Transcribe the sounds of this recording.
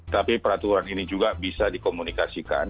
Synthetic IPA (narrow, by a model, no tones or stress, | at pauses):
t̪apipəɾat̪uɾaninid͡ʒuɡabisadikomunikasika̰n